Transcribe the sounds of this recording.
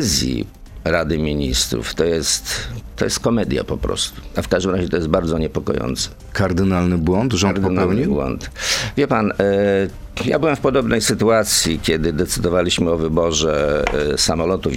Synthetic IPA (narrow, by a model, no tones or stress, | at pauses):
zʲjḭ | ɾad̪ɘmʲiɲist̪ɾṵft̪ɔjɛst̪tːɔjɛst̪̚kɔmɛd̪ʲja̰pɔpɾɔ̰st̪u̥afkaʐd̪ɘmɾaʑɛt̪ɔjɛst̪̚baɾd̪zɔɲɛpɔkɔ̰jɔ̰nt̪sɛ̥ | kaɾd̪ɘnalnɘbwɔnt̪ʐɔɾd̪ɔnpɛwɲibwɔ̰nt̪vʲjɛpan | ja̰bɘwɛmfpɔd̪ɔbnɛjsɘt̪uat̪sʲjikʲɛd̪ɘd̪ɛt̪sɘd̪ɔvalʲiɕmɘɔvɘbɔʐɛsamɔlɔt̪uv